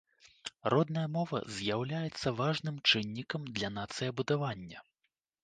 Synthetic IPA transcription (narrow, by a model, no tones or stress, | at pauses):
rɔd̪̚nɐjɐmɔvɐ̰zʲjawlʲajɛt̪sːɐvaʐnɨmt͡ʂɨnʲːikɐmd̪lʲɐnat̪sɨjɐbud̪avanʲːɐ